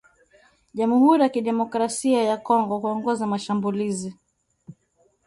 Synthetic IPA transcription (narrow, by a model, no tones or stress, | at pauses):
ʄamuhuɾijakiɗɛmɔkɾasiajakɔŋɡɔhuɔŋɡɔzamaʃambulizi